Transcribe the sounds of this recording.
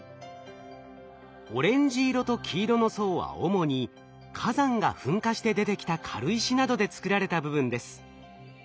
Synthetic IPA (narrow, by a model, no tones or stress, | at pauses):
o̞ɾẽ̞ɲ̟d͡ʑiːɾo̞t̪o̞kʲʰiːɾo̞no̞so̞ːβa̰o̞̰mo̞ɲ̟i | kʰazãŋɡa̰ɸɯ̟̃ŋkaɕi̥t̪e̞d̪e̞t̪e̞kʲi̥t̪akʰaɾɯ̟iɕinad̪o̞d̪e̞t͡sɨ̥kɯɾaɾe̞t̪abɯ̟bɯ̟̃nd̪e̞sɨ̥